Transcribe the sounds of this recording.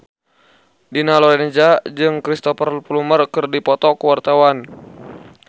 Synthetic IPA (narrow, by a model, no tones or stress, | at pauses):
dinalɔɾɛnd͡ʒad͡ʒɨŋkɾist̪ɔfərlplumərkɨrdipɔt̪ɔkuwart̪awan